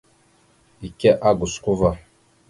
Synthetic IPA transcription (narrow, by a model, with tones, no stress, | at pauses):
i˨kɛ˦ʔa˦ɡʊ˨skʊ˦va˦˨